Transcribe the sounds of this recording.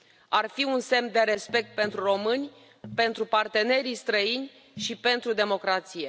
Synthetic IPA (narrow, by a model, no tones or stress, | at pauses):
arfiunse̞md̪e̞ɾe̞spe̞k̚t̪̚pe̞nt̪ɾuro̞mɨnʲ | pe̞nt̪ɾupart̪e̞ne̞ɾist̪ɾəinʲ | ʃipe̞nt̪ɾud̪e̞mo̞kɾat̪sije̞